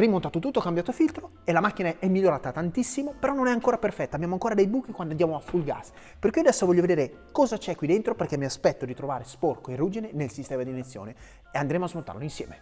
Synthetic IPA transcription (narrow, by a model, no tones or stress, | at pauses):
rimːont̪aːt̪ot̪ut̪ːoakambjaːt̪ofilt̪ɾo | elamakːinaɛmːiʎːoɾaːt̪at̪ant̪isːimopeɾɔnːonɛaŋkoːɾaperfɛt̪ːabːjaːmoaŋkoːɾad̪ejbuːkikwand̪oand̪jaːmoafulɡa̰s | perkuːad̪ɛsːovɔʎːoved̪eːɾe | kɔːzat͡ʃɛkːwid̪ent̪ɾoperkːɛmːiaspɛt̪ːod̪it̪ɾovaːɾesporkoerːuːd͡ʒinenelsist̪ɛːmad̪inet̪sːjo̰ːne | eand̪ɾemoazmont̪a̰rloinsjɛ̰ːme